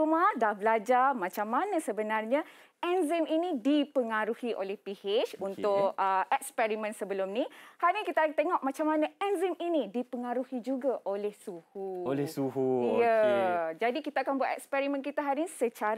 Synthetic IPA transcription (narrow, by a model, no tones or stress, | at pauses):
umahdahbəlad͡ʒarmãt͡ʃamːanãsəbənarɲã | ɛnziminĩdipəŋaɾuhiʔo̰lɛhpihet͡ʃunt̪ʊkəɛkspɛɾimə̃nsəbəlʊmnihaɾnikit̪akat̪eŋɔʔmãt͡ʃamːanãɛnziminidipəŋaɾuhid͡ʒuɡaʔolɛhsuhuolɛsuɦujəd͡ʒadikit̪aakanbuat̪ɛkspɛɾimə̃nkit̪aɦaɾiisət͡ʃaɾ